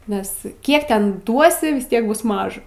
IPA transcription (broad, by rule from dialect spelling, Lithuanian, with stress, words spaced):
nʲɛs ˈkʲiɛk ˈtʲɛn ˈduɔsʲɪ ʋʲɪs ˈtʲiɛk ˈbʊs ˈmɑːʒɐ